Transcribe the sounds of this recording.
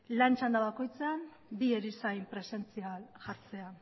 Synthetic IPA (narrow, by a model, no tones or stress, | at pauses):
lant͡ʃand̪aβako̞jt͡sean | bieɾisajmpɾe̞se̞nt͡sialʝaɾt͡se̞a